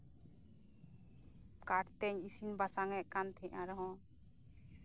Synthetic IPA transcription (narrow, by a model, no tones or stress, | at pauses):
kaʈt̪ɛɲisinbasaŋɛʔkant̪ʰɛ̃ʔaɾɔɦɔ̃